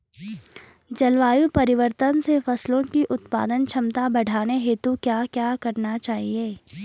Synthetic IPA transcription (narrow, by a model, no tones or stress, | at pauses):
d͡ʒɐlʋaːjupɐɾɪʋəɾt̪ənsefɐslõkiʔʊt̪pa̰ːd̪ənt͡ʃʰɐmt̪abɐɽ̤ʱaːneɦeːt̪ukjaːkjaːkɐɾnat͡ʃaːɦieː